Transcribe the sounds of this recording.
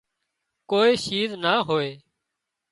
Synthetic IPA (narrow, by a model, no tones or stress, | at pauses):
koːiːʃiːznaːɦoːeː